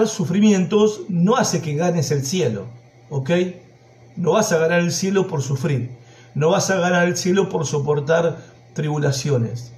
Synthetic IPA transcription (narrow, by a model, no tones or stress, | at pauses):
ɾsufɾimjẽ̞nt̪o̞sno̞ase̞keɣane̞se̞lsje̞lo̰ | oke̞j | no̞βasaɣ̞anaɾe̞lsje̞lo̞po̞ɾsufɾiɾ | no̞βasaɣanaɾelsje̞lo̞po̞ɾso̞p̬o̞ɾt̪aɾ | t̪ɾiβulasjo̞ne̞̰s